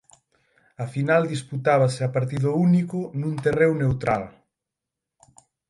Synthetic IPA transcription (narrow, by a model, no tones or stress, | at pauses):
afinald̪isput̪aβ̞aseapaɾt̪iðʊunikʊnũnt̪erewnewt̪ɾal